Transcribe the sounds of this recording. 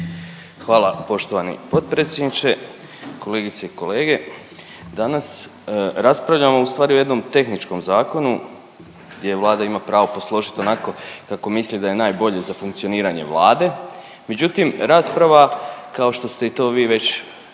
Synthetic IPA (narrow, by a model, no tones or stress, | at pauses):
xʋaːlˠapo̞ʃt̪o̞ʋanḭpo̞t̪̚pɾet̪sʲjed̪nit͡ɕe | ko̞le̞ːɡit̪seiko̞le̞ːɡe̞ | d̪anas | ɾaspɾaʋʎamo̞ust̪ʋaːɾioje̞d̪no̞mt̪e̞xnit͡ʃko̞mzaːko̞nu | ɡd̪jeʋlˠaːd̪aimapɾaːʋo̞po̞slˠo̞ʒit̪o̞nako̞kako̞mislid̪aje̞naːjbo̞ʎe̞zafuŋkt̪sio̞niːɾaɲe̞̰ʋlˠaːd̪e̞ | me̞d͡ʑut̪imɾaːspɾaʋakao̞ʃt̪o̞st̪e̞it̪o̞ːʋiːʋe̞t͡ɕ